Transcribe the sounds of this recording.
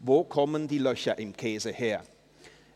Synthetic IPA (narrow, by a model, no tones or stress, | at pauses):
vokʰɔmə̃ndilœʃaʔɪmkʰeːzəhɛɐ